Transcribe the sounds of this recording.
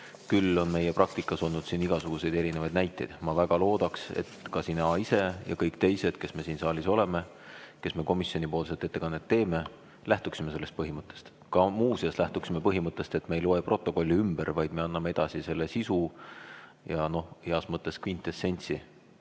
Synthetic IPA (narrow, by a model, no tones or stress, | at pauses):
kylːo̞nme̞jepɾʔɑk̚t̪ikːˑɑso̞lnud̪siːniɡ̥ɑsuɡ̥use̞jd̪̥e̞ɾine̞vɑjd̪næjt̪ːˑe̞jd̪̥mɑvæɡ̥ɑlo̞ːd̪̥ɑkse̞̰t̪kɑsinɑise̞jʔɑ̰kɤjkt̪e̞jse̞d̪̥ke̞sme̞siːnsɑːliso̞leme̞ | ke̞sme̞ko̞misjo̞nipo̞ːls̬e̞lt̪e̞t̪ːˑe̞kɑnːet̪ːe̞ːme̞ | læht̪uksimese̞lːe̞st̪̚pɤɦimɤt̪ːˑe̞̥st̪ | kɑmuːsiɑslæht̪uksime̞pɤɦimɤt̪ˑːe̞st̪e̞t̪me̞jloepro̞t̪ːˑo̞ko̞lʲːiymb̥eɾvɑjd̪me̞ɑnːɑmee̞d̪̥ɑsise̞lːesisu | jɑno̞hiɑsmɤt̪ːˑe̞skvint̪ːˑesːe̞nʲsi